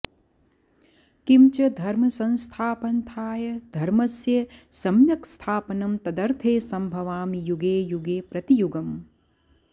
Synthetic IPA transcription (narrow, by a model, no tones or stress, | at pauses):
kimt͡ʃɐd̪ʱɐɾmɐsɐnst̪ʰaːpɐnt̪ʰaːjɐd̪ʱɐɾmɐsjɐsɐmjɐkst̪ʰaːpɐnɐmt̪ɐd̪ɐɾt̪ʰeːsɐmbʱɐʋaːmijuɡeːjuɡeːpɾɐt̪ijuɡɐm